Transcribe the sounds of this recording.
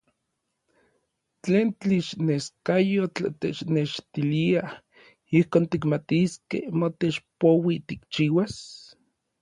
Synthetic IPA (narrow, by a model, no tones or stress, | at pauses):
t͡ɬeːnt̪iʃneskajot͡ɬat̪et͡ʃneʃt̪ilia | ihkoːnt̪ikmat̪iskḛhmot̪et͡ʃpowit̪ikt͡ʃiːwas